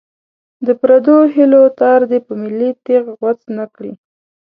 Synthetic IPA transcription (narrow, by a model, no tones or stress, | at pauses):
d̪əpɾad̪oɦilot̪ɑɾd̪epəmɪlːit̪eɣɣwat͡snakɽi